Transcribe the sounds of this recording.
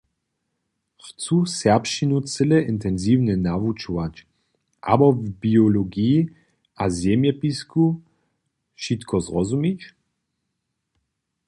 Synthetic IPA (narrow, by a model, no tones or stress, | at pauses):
xt͡susɛʁpʃinut͡sɪlɛʔɪnt̪ɛnzivnɛnavut͡ʃɔvat͡ʃ | ʔa̰bɔvbiɔlɔɡiː | azjɛmjɛpisku | ʃit̪kʰɔzʁɔzumit͡ʃ